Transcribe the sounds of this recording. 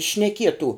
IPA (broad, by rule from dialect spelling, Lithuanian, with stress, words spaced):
ʃʲnʲɛˈkʲiɛtuː